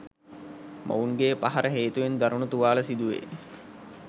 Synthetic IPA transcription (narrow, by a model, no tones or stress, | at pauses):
mʔa̰uŋɡeːpaɦaɾəɦeːt̪uʋend̪aɾunut̪uʋaːləsid̪uʋḛ